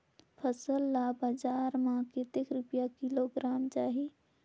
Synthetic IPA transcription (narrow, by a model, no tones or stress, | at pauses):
pʰəsəlːabad͡ʒaɾmãket̪ekɾupjakiloɡɾaːmt͡ʃaːɦi